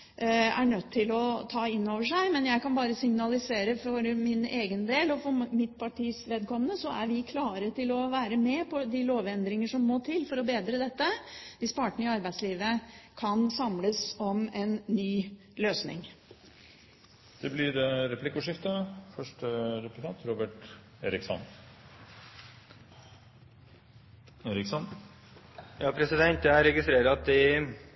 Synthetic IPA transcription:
æ̰ɳœt̪ʰːɪlɔt̪ʰɑːɪnːoːʋəʂæɪmɛnjæɪkɑnbɑːɾəsɪŋnɑlɪseːɾəfɔɾmɪneːɡənd̪eːlɔfɔɾmɪt̪pʰɑʈʰiːsʋeːd̪̚kʰɔmːənəsɔæɾʋɪkʰlɑːɾət̪ʰɪlɔʋæːɾəmɛpʰɔd̪ɪloːʋɛnd̪ɾɪŋəʂɔmːoːt̪ʰɪlːfɔɾɔbeːd̪ɾəd̪ɛt̪ːəʋɪspʰɑːʈəɳ̩əɪɑɾbæɪd̪sliːʋəkʰɑnsɑmləsɔmɛnːyː | løːsnɪ̰ŋ | d̪̥ɛblɪɾɛɾɛpʰlɪkːuʂɪft̪əfœʂʈəɾɛplɪt̪ʰɑːt̪ʰɾoːbəʈ | eːɾɪksɔ̰n | eːɾɪksɔn | jɑːpʰɾɛsɪd̪ɛnt̪d̪ɛæɾɛɡɪst̪ɾeːɾəɑt̪̚d̪ɪ

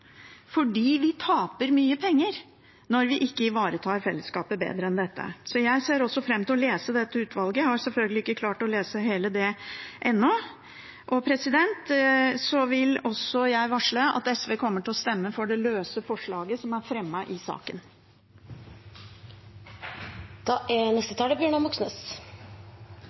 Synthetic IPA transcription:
fɔɖiːʋɪt̪ʰɑːpəɾmyːəpʰɛŋːəɾ | nɔɾʋɪʔɪkːəɪʋɑːɾət̪ʰɑːɾfɛlːəskɑːpəbḛːd̪ɾəɛnd̪ɛt̪ːə̰sɔjæɪseːɾɔsːɔfɾɛmːt̪ʰɪlɔleːsəd̪ɛt̪ːəʉːt̪ʰʋɑlɡəhɑɾsɛlfœlɡəlɪɪkːəkʰlɑːʈɔleːsəɦeːləd̪ɛʔɛnːɔ | ʔɔpʰɾɛsɪd̪ɛnt̪sɔʋɪlɔsɔjæɪʋɑʂɭəɑ̰t̪ɛsʋeːkʰɔmːəʈɪlɔst̪ɛmːəfɔɖɛløːsəfɔʂɭɑːɡəsɔmæɾfɾɛmːɑʔɪsɑ̰ːkən | d̪̥ɑːʔɛnɛst̪ət̪ʰɑːləbjøːɳɑmɑksnəs

